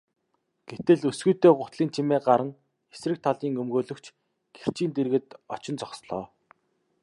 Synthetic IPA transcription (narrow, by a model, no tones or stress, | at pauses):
ɡ̥et̪ɘ̆ɮɵsɡujt̪eːɢʊt̪ɮiːnt͡ɕʰimeːɢaɾə̆ŋ | esrɘ̆k̚t̪ʰaɮiːŋɵmɡoːɮɵ̆kt͡ɕʰ | ɡ̥er̥t͡ɕiːnt̪erɣɘ̆t̪ɔt͡ɕɪ̆nt͡sɔksɮɔː